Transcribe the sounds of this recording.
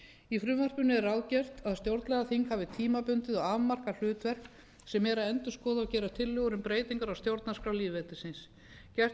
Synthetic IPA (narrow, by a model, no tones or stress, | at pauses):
ifɾʏːvar̥pʏnːɪɛɾawðcɛr̥t̪aðst̪jowɾt̪lɛɣaθiŋkhavɪt̪ʰiːmapʏnt̪ɪðɔɣavmar̥kal̥ʏːt̪vɛr̥k | sɛmɛɾaðɛnt̪ʏskɔːðawcɛːɾat̪ʰɪlːʏɣʏɾʏmpɾeːjt̪iŋkaɾawst̪jowɾt̪naskɾawliːvet̪ɪsɪns | cɛr̥